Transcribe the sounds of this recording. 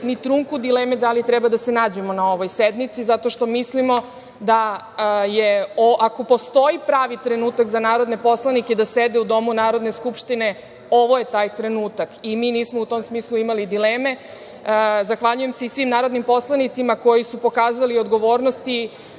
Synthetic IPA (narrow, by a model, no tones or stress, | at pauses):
nit̪ɾuŋkud̪ileːmed̪alit̪ɾɛbad̪ase̞naːd͡ʑemo̞nao̞ʋo̞jsed̪nit̪sizat̪o̞ʃt̪o̞mislimo̞ | d̪a | jeoʔako̞po̞st̪o̞ipɾaːʋit̪ɾe̞nuːt̪akzanaːɾo̞d̪nepo̞slˠaniked̪ased̪eud̪o̞munaːɾo̞d̪ne̞skupʃt̪ine̞ | o̞ʋo̞je̞t̪aːjt̪ɾe̞nuːt̪akimiːniːsmo̞ut̪o̞msmiːslˠuimalid̪ileːme̞ | zaxʋaʎuje̞mseisʋimnaːɾo̞d̪nimpo̞slˠanit̪simako̞jisupo̞kaːzaliod̪ɡo̞ʋo̞ːɾno̞st̪i